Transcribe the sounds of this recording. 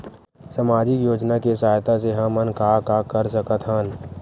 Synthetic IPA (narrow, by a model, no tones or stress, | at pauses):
səmaːd͡ʒɪkjoːd͡ʒnakesaːjt̪as̬eɦãmːənkakakəɾsəkət̪ʰɦən